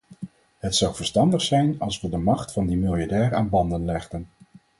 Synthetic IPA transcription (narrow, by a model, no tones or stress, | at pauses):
ɦətsɑwvəɹstɑndəχsɛjnɑlˠsʋədəmɑχtfɑndimɪlˠjaɹdɛːɹaːnbɑndənlɛχdən